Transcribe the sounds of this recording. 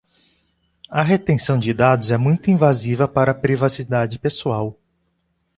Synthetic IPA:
ɐɦet̪ẽsɐ̃w̃d͡ʒɪd̪ad̪ʊzɛmũj̃t̪ʊĩvazivɐpaɾɐpɾivasid̪ad͡ʒɪpesuaw

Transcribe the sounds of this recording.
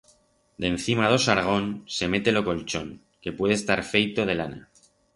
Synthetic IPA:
d̪e̞n̟θimað̞o̞saɾɣ̞o̞nse̞me̞t̪e̞lo̞ko̞lt͡ʃo̞ŋ | ke̞pwe̞ðest̪aɾfe̞jt̪o̞ð̞e̞lana

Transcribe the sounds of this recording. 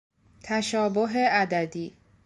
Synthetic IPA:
t̪ʰæʃɒːboɦeæd̪æd̪iː

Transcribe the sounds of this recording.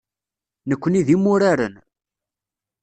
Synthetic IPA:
nəkʷːəniðimuɾaɾən

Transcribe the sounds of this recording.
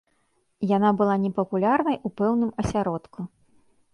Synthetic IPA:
janabɨlˠanʲɛpɐpulʲarnɐjupɛwnɨmɐsʲaɾɔt̪kʰu

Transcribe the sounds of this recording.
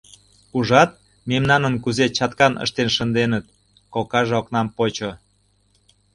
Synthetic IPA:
uʒɑt̪̚ | memnɑnənkuzet͡ɕɑt̪̚kɑnə̰ʃt̪enʃənd̪enət̪̚ | kokɑʒeoknɑmpot͡ɕo

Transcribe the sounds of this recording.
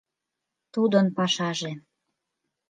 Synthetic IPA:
t̪ud̪ənpɑʃɑʒe

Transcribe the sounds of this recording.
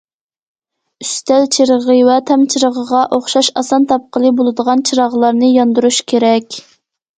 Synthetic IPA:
yst̪ælt͡ʃʰiɾəʁəwɛt̪ʰɛmt͡ʃʰiɾəʁəʁɑʔoχʃɑʃɑsɑnt̪ʰɑp̚qəlˠɨbolˠɨd̪əʁɑnt͡ʃʰiɾɑʁlˠɑɾnɨjɑnd̪uɾuʃkʲʰeɾɛkʲ

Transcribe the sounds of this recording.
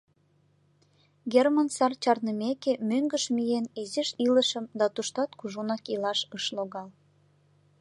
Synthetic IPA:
ɡermansɑrt͡ɕɑrnəmekemøŋɡəʃmijenezeʃiləʃəmd̪ɑt̪uʃt̪ɑt̪kuʒunɑkilɑʃəʃloɣɑl

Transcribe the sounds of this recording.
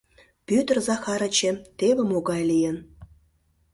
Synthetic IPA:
pʲyt̪ərzɑxɑɾə̆t͡ɕĕt̪eβĕmoɣɑjlijə̆n

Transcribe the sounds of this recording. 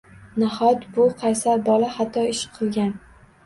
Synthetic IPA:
nahɒt̪bʊqʰɑjsaɾbɒlahat̪ʰːɒɪʃqʰɨlˠɡʲan

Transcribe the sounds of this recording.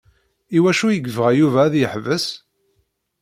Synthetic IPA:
iwæʃujəɡəvʁæjuvæːðjəħvəs

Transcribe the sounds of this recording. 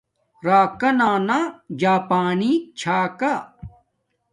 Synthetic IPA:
ɾaːkɐnaːnad͡ʑaːpaːnik̚t͡ɕʰaːka

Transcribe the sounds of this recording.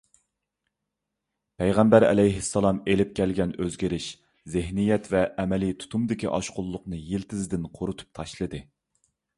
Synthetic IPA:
pʰɛjʁɛmbæɾɛ̰lɛjɦɪsːɑlˠɑmelɪp̚kʲʰɛlɡʲɛnøzɡʲiɾɪʃ | zɪɦnijɛt̪vɛʔːmɛlijt̪ʰu̥t̪ʰumd̪ɪkʲiʔɑ̰ʃqʊlˠːʊqnɨjelt̪ʰɪzɪd̪ɪnqʰoɾut̪ʰu̥p̚t̪ʰɑʃlˠɨd̪ɨ

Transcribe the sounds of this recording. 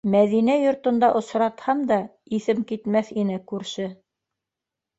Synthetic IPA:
mæðinæjŏɾt̪ŏnd̪ɑʔŏsɾɑt̪hɑmd̪ɑiθɘmkit̪mæθinɘkʉɾʃɘ

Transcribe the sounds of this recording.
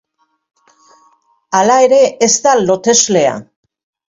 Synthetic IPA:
alae̞ɾe̞est̪alo̞t̪e̞zle̞a̰

